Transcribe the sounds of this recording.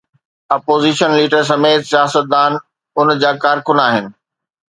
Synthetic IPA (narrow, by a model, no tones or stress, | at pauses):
aːpoːziːʃənliːʈəɾs̬ɐmeːt̪sijaːsət̪̚d̪aːn | ʊnd͡ʑaːkaːɾkʊnaːɦɪnɪ̆